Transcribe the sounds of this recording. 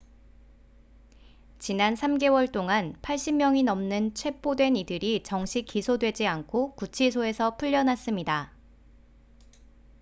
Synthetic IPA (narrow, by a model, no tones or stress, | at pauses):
t͡ɕinansʰamɡe̞wʌɭt͈oŋanpʰaɭɕ͈immjʌŋinʌmnɯnt͡ɕʰwe̞p͈odwe̞nidɯɾit͡ɕʌŋɕʰik͈ːisʰodwe̞d͡ʑiankʰokut͡ɕʰisʰoe̞sʰʌpʰuʎːʌnas͈ɯmɲida